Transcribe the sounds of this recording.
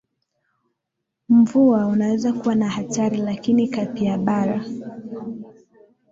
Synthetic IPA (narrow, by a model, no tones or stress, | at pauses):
m̩vuaunawɛzakuwanahataɾilakinikapiaɓaɾa